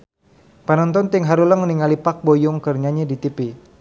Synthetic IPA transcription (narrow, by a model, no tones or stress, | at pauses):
panɔnt̪ɔnt̪ɪŋɦaɾuləŋməniŋalipak̚bojʊŋkərɲaɲadit̪ipi